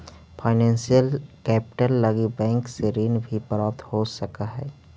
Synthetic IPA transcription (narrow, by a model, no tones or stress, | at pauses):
pʰaːɪnɛ̃ːnsijəlkɛːpɪ̥ʈəlːɐɡibɛ̃ːŋkseɾiːnbʱipɾaːp̚t̪hosɐkaɦɛː